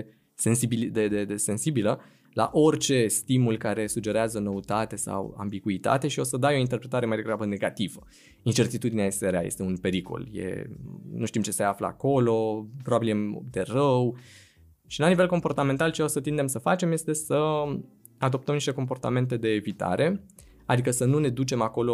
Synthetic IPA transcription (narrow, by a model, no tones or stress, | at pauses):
sensibild̪ed̪ed̪ese̞nsibilə | la̰ʔo̞rt͡ʃe̞st̪imulkaɾe̞sud͡ʒe̞ɾeazəno̞ut̪at̪e̞sa̰wa̰mbiɡuit̪a̰t̪e̞ʃio̞səd̪ajo̞int̪erpɾe̞t̪aɾe̞majd̪e̞ɡɾabəne̞ɡat̪ivə | int͡ʃe̞rt̪it̪ud̪ineajeseɾea̰jest̪eunpe̞ɾiko̞̰ljḛnuʃt̪imt͡ʃe̞seaflə̰a̰ko̞lo̞pɾo̞babiljḛd̪e̞rəw | ʃilanive̞lko̞mpo̞rt̪ame̞nt̪alt͡ʃeo̞sət̪ind̪e̞msəfat͡ʃe̞mje̞st̪e̞sə | ad̪o̞p̚t̪əmniʃt̪eko̞mpo̞rt̪a̰me̞nt̪e̞d̪e̞ːvit̪a̰ɾʔe̞ | ad̪ikəsənune̞d̪ut͡ʃe̞mako̞lo̞